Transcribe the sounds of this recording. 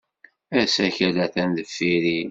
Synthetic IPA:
æsæçælæθænðəfːiɾi

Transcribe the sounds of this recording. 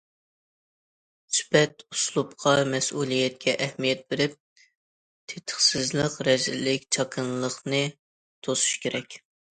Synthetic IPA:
sy̥pɛt̪uslˠupqʰɑmɛsulˠijɛt̪̚kʲʰɛʔɛhmijɛt̪̚beɾɪp̚ | t̪ʰet̪ʰə̥χsɪzlˠəqɾɛzɪlɪkʲt͡ʃʰɑkʰɨnlˠəχnɨ | t̪ʰosu̥ʃkʲeɾɛkʲ

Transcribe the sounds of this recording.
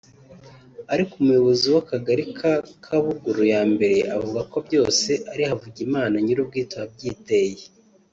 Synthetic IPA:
aɾikumujo̞βo̞ziwakaɡaɾikʰakʰaβuɡuɾujaːmbe̞ɾe̞ʔavuɡako̞bɟo̞ːse̞ʔaɾihavuɟimaːnaɲiɾub̚ɡiːtoab̚ɟiːteje

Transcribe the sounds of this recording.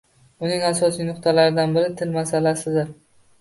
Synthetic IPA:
ʊnɪŋasɒsijnʊqt̪ʰalaɾɪd̪anbɪɾɪt̪ʰɪlmasalasɪd̪ɪɾ

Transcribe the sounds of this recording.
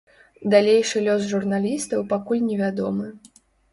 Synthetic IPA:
d̪alʲejʂɨlʲɔsʐurnalʲist̪ɐwpakulʲnʲɛvʲad̪ɔmɨ

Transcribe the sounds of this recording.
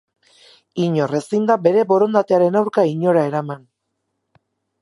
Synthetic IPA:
iɲo̞re̞sind̪abe̞ɾe̞bo̞ɾo̞nd̪at̪e̞aɾe̞nawɾkaiɲo̞ɾae̞ɾaman

